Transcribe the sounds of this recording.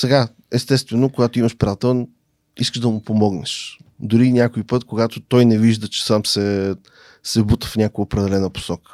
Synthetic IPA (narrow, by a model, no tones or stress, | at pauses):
sɛɡa | ɛst̪ɛst̪vɛnokoɡat̪oiməʃpɾʲiat̪ɛlˠn | iskəʒd̪ɐmʊpomɔɡnɛʃd̪ʊɾinʲjakoipɤt̪koɡat̪ot̪ɔjnɛviʒd̪ət͡ʃɛ̥samsɛ | sɛbut̪əfnʲakojəopɾɛd̪ɛlɛnəpo̥sɔkə̥